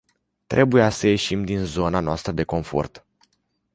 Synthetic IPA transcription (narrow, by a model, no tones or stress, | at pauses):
t̪ɾʔe̞bujasəje̞ʃimd̪inzo̞nanoast̪ɾəd̪e̞ko̞ɱfo̞̰rt̪